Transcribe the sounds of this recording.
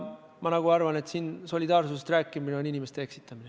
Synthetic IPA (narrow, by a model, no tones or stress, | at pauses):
mɑnɑɡ̥uɑrvɑne̞t̪siːnso̞lʲid̪̥ɑːrsusest̪ræːkːˑimineo̞ninʲime̞st̪eeksit̪ːˑɑmine